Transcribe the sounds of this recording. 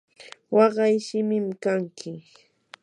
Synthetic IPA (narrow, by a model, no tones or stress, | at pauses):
wɑɢɑjʃɪmɪmkaŋkʰɪ